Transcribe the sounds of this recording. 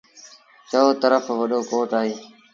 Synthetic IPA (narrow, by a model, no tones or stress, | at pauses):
t͡ʃət̪əɾəfʋəɗoːkoːʈaːɦeː